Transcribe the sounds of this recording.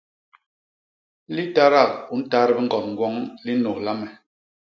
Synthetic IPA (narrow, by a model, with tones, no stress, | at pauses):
li˦ta˦ɾa˦˨u˨˦n̩˦ta˦ɾɛ˦bi˦ŋ̩˨ɡɔ˨tŋ̩˨ɡwɔ˦ŋli˦no˨la˦mɛ˨